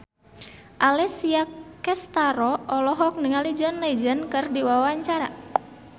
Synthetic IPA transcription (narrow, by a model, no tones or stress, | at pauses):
ʔalɛsiakɛst̪aɾɔʔɔlɔɦɔk̚niŋalid͡ʒɔnlad͡ʒənkɨrdiwawaɲt͡ʃaɾa̰